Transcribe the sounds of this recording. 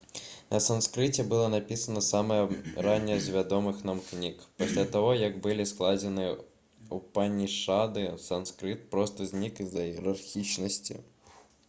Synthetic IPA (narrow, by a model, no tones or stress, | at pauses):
nʔɐsɐnskɾɪtʲːɐbɨlˠɔnɐpʲisɐnɐsɑmɛɾɑnʲːɐzʲʋʲɐd̪ɔmɪxnɐmknʲikpisʲlʲat̪ɔɦɔjɐɡbɪlʲisklˠɑdʲɪnɪ | upɑnʲːiʃɑd̪ɪsɐnskɾɪt̪̚pɾɔst̪ɔzʲnʲikɪzɐjieɾɐrxʲit͡ʃnɔsʲtʲḭ